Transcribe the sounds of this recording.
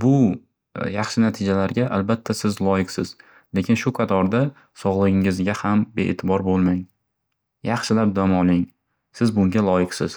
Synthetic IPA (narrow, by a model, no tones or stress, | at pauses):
bʊ | jɑχʃɪnat̪ʰɪd͡ʒalaɾɡʲaʔalbat̪ʰːasɪzlˠɒjɪqsɪz̥ | le̞kʲɪnʃʊqʰɑt̪ʰɒɾd̪a | sɒʁlˠɨɡʲɪŋɪzɡʲahambeʔḛt̪ʰɪbɒɾbolˠmaŋ | jɑχʃɪlap̚d̪ɒmɒlɪŋ | sɪzbʊŋɡʲalˠɒjɪqsɪz